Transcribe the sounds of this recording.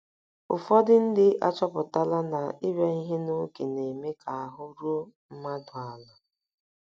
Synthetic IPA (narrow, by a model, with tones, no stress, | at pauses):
ʊ˨fɔ˦dɪ˦n̩˦dɪ˦ʔa̰˦t͡ʃɔ˦pʊ˨ta˦la˦na˨i˦ɾa˦i˦ɦe˦no˦ke˨ne˨me˦kʰa˨a˨ɦʊ˦ɾu˦o˦m̩˦ma˦dʊ˨a˨la˨